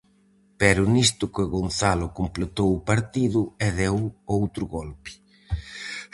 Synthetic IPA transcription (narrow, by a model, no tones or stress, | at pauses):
pɛɾʊnist̪ʊkeɣonθalʊkomplet̪owʊpaɾt̪iðʊɛðɛwowt̪ɾʊɣɔlpɪ̥